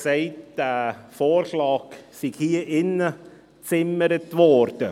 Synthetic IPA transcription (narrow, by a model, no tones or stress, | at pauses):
sɛɪtd̥æːfoːɾʃlɑːksɪɡhiːəʔɪnə | t͡sɪməɾətvɔːɾd̥ə